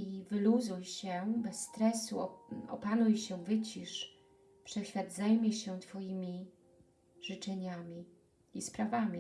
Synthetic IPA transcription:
ivɘluzujɕɛbɛsːt̪ɾɛsuɔɔ̰panujɕɛvɘt͡ɕiʂ | pʂɛɕfʲjad̪zajmʲjɛɕɛt̪fɔjimʲi | ʐ̥ɘt͡ʂɛɲamʲi | ispɾavamʲi

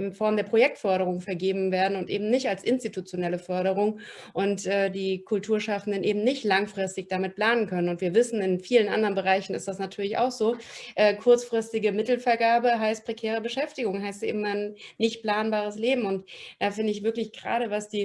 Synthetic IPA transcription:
ɪnfɔɐmdeːɐpʁ̥ojɛk̚tfœɐɾəʁʊŋfɛɐɡeːbm̩veːɐdn̩ʊntʔḛːbm̩nɪçtalsʔɪnstitut͡sjonɛləfœɐɾəʁ̞ʊŋ | ʔʊntʔɛːdiːkʰʊltʰuːɐʃafn̩dənʔeːbm̩nɪçtlaŋfʁ̥ɪstɪçd̥amɪt̚pl̥aːnənkʰœnənʊntv̥iːɐvɪsn̩ɪnfiːlənʔa̰ndəʁənbəʁaɪçn̩ɪ̰std̥asnatʰyːɐlɪça̰ʊxz̥oːʔɛːkʰʊɐt͡sfʁ̥ɪstɪɡəmɪtl̩fɛɐɡaːɐbəɦaɪst̚pʁ̥ekʰɛːʁ̞əbəʃɛftɪɡʊŋɦaɪstʔɪm̩nnɪçtpl̥aːnbaːʁ̞əsleːbm̩ʊntd̥aːfɪndəɪçv̥ɪɐklɪçɡ̥ʁa̰ːɾəvasd̥iː

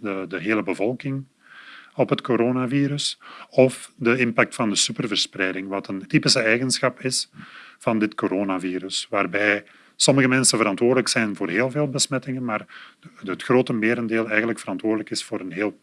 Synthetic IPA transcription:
dədəɦeːləbəvɔlˠkɪŋ | ɔpɦətkoɾoːnaviːɾɵsɔfdəɪmpak̚tfɑndəsypərvərsprɛjdɪŋʋɑtəntipɪsəɛjɣənsxɑpɪsfɑndɪtkoɾoːnaviːɾɵsʋaːrbɛj | sɔməɣəmɛnsənvəɾɑntwoːrdələksɛjnvoːrɦeːlˠveːlˠbəsmɛtɪŋənmaːrətxroːtəmeːɾəndeːlˠɛjɣənləkfəɾɑntwoːrdələkɪsfoːɾənɦeːlˠ

